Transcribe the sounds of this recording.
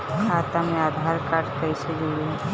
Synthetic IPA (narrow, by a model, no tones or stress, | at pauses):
kʰaːt̪amẽaːd̪ʱaːɾkaːʈkəɪsed͡ʒeɡe